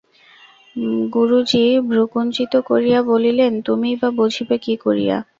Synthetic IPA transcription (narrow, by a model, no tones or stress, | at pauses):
ɡuɾud͡ʑibʱɾukunt͡ɕit̪okoɾijabolilent̪umibabod͡ʑʱibekikoɾḭja̰